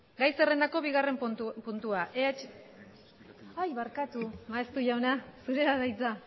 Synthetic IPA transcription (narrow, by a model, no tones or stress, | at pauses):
ɡajse̞re̞nd̪ako̞βiɣ̞are̞mpunt̪uaʔeat͡ʃ | ajβaɾkat̪umaest̪uʝawnasuɾe̞ɾaðajt͡sa